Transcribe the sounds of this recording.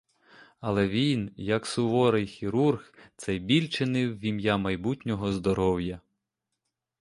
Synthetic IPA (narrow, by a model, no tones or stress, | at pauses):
ɐlˠɛʋʲinjɐksʊʋɔɾɪjxʲiɾurxt̪sɛjbʲilʲt͡ʃɪnɪwːʲimjamɐjbutʲnʲɔɦɔzd̪ɔɾɔwjɐ